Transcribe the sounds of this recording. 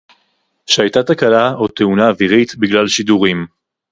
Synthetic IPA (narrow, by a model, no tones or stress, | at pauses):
ʃeajtatakalaot̪eunaːviʁit̪biɡlalʃiduʁim